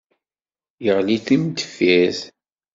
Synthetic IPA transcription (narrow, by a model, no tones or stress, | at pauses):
jəʁliθimt̪ə̥fæθ